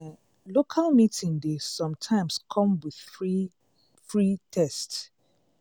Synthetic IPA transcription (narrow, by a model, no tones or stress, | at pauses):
lokʰalmitʰĩŋdesɔ̃mtʰãɪ̃mskʰɔ̃mwið̥i | fɹitʰɛst